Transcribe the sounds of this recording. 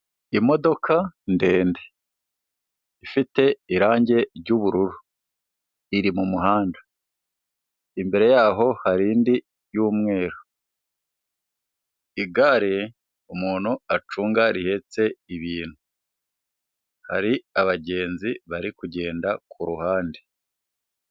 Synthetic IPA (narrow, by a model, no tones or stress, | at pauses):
imo̞do̞kʰande̞ːnde̥ | ifite̞iɾaːɲɟe̞ɾɟuːβuɾuɾu | iɾimumuɦaːnda | imbe̞ɾe̞jaːɦo̞haɾiːndi | juːmŋe̞ːɾo | iɡaɾe | umuːn̤uat͡ʃuːŋɡaɾihe̞t͡se̞iβiːn̥hu | ha̰ɾiaβaɟe̞ːnziβaɾikuɟe̞ːndakʰuɾuhaːnde